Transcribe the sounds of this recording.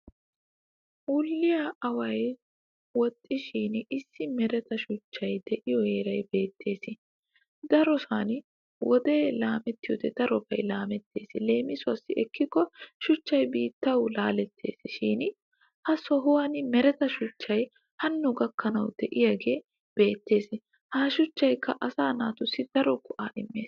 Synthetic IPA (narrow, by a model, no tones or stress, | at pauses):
ʊlːɪjɐɐwɐj | wɔt̪ʼːɪʃiːnɪsːɪmɛɾɛt̪ɐʃʊt͡ʃːɐjd̪̥ɛʔɪjɔheːɾɐjbe̞ːt̪ʰːe̞ːsɪ | d̪ɐɾɔsaːn | wʔɔd̪e̞ːlaːmɛt̪ːɪjɔd̪ɛd̪̥ɐɾɔbɐjlaːmɛt̪ːe̞̰ːsɪle̞ːmɪsʊɐsːɪʔɛkːɪkːɔʃʊt͡ʃːɐjbiːt̪ːɐwlaːlɛt̪ʰːe̞̰ːsɪʃiːn | hɐsɔɦʊwɐnmɛɾɛt̪ɐʃʊt͡ʃːɐj | hɐnːʊɡɐkːɐnɐwd̪̥ɛʔɪjɐɡe̞ː | b̥e̞ːt̪ːe̞ːs | haːʃʊt͡ʃːɐjkːɐʔɐsaːnaːt̪ʊsːɪd̪̥ɐɾɔkʊʔaːʔɪmːe̞ːs